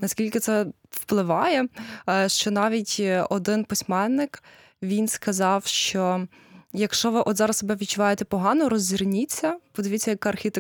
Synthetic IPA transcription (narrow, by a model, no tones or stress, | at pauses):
nɐskʲilʲkɪt̪sɛ | wplˠɪʋɑjɛʃt͡ʃɔnɑʋʲitʲɔd̪ɪnpɪsʲmɛnːɪk | ʋʲinskɐzɑwʃt͡ʃɔ | jɐkʃt͡ʃɔʋɪʔɔt̪zɑɾɐssɔbɛʋʲid̪̚t͡ʃʊʋɑjet̪ɛpɔɦɑnɔɾɔzʲːirnʲit͡sʲːɐpɔd̪ɪʋitt͡sʲːɐjɐkɐrxʲit̪e